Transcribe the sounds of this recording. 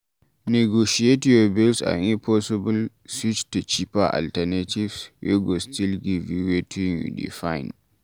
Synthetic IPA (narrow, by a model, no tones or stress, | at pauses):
nɛɡoʃietiobilsa̰ipʰɔsɪbʊl | swit͡ʃtut͡ʃipaʔa̰ltanativsjo̰ɡɔstilɡiviwetʰiŋjṵdḭfajn